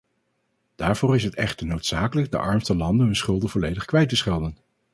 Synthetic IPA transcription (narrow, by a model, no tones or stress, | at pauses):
d̥aːɹv̥oːɹɪsɦətɛχtəɹnowtsaːkələɡ̚də̰ʔɑɹmstəlɑndənɦɵnsχɵlˠdəvɔlejdəχkʋɛjtəsχɛlˠdən